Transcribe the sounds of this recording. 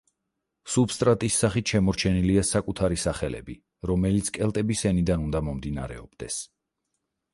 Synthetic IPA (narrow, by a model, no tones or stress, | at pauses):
subst̪ʼɾat̪ʼisːaχit̪ʃɛmɔɾt͡ʃʰɛniliasakʼut̪ʰaɾisaχɛlɛ̰bi | ɾɔmɛlit̪sʰkʼɛlˠt̪ʼɛbisɛnid̪anund̪amɔmd̪ina̰ɾɛ̰ɔbd̪̥ɛs